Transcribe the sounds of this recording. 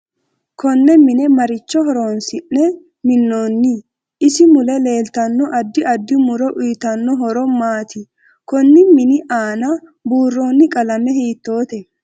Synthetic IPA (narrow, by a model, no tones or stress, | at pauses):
kʰɔnːɛmɪnɛmɐɾɪt͡ʃːɔɦɔɾoːnsɪʔːɛ | mɪnːoːnːɪ | ʔɪsɪmʊlɛle̞ːlt̪ɐnːɔʔɐd̪ːɪɐd̪ːɪmʊɾɔʔʊjt̪ɐnːɔɦɔɾɔmaːt̪ɪ | kɔnːɪmɪnɪʔaːnɐbuːrːo̞ːnːɪkʼɐlɐmɛɦiːt̪ːo̞ːt̪ɛ